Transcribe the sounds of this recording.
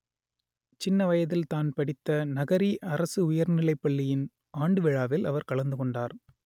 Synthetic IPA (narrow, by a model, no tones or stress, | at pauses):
t͡ʃɪnːɐʋɐjɐðɪlt̪aːnpɐɽɪt̪ːɐnɐɣɐɾiʔɐɾɐsɯʊjɐɾnɪɭɐɪpːɐɭːɪjɪn | aːɳɖɯʋɛɻaːʋɪlɐ̰ʋɐɾkɐɭɐnd̪ɯkɔɳɖaːɾ